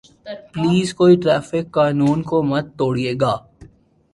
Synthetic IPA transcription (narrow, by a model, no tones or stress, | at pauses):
pliːzkoːiʈɾɛːfɪkːaːnuːnkomɐt̪̚ːoːɽieːɡaː